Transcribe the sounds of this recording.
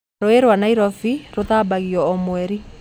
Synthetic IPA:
ɾoeɾwanaiɾɔfiɾoðaːbaɣiɔːmwɛɾi

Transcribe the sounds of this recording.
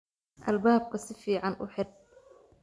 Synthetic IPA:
ʔɐ̰lbaːb̚kʰɐsɪfiːʕɑnʔʊ̰ħɪr

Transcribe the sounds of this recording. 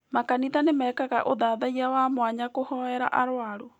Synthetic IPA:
makanitanemaːkaɣa̰ʔoðaːðaiawamwaɲakohɔɛɾa̰ʔaɾwaɾo

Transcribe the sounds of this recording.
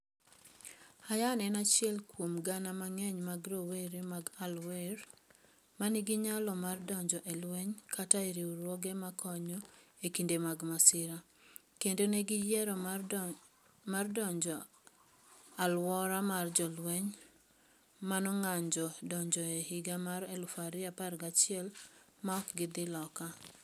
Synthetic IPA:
ajanɛnat͡ʃɪɛlkwomɡanamaŋɛɲmaɡɾoweɾemaɡalweɾ | maniɡɪɲalɔmardɔɲd͡ʒɔʔelweɲkʰataiɾiuɾwɔɡemakʰɔɲɔekindemaɡmasɪɾa | kendoneɡɪjɛɾɔ | mardɔɲd͡ʒɔ | alwɔɾamard͡ʒɔlweɲ | manɔŋaɲd͡ʒɔdɔɲd͡ʒɔehiɡamaɾelufaɾɪaparɡat͡ʃɪɛl | maɔkɡɪd̪ɪlɔka

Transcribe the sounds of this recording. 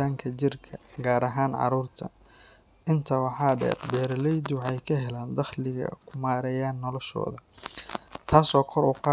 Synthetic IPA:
aːŋkʰɐt͡ʃɪrkʰɐɡaːɾɐɦaːnʕɑ̰ɾuːrt̪ʰɐ̰ | ʔɪnt̪ʰɐwɑħɑːɖɛ̰ːbɛːɾlɛjd̪ʊwħɑjkʰɐɦɛlaːnd̪ɑχlɪɣɐ̰kʰʊmaːɾɛjaːnːɔlɔʃɔ̰ːðɐ | t̪ʰaːsɔːkʰɔɾʊqɑː

